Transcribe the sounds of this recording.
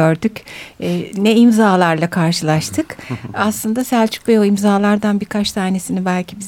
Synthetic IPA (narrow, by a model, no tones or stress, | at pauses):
øɾd̪ycː | nɛimzaːlˠaɾlˠakʰaɾʃɯlˠaʃt̪ʰɯkaslˠɯnd̪asælʲt͡ʃʰy̥c̚bejoimzaːlˠaɾd̪anbiɾkʰat͡ʃsʰaːne̞sinibælʲcʰibiz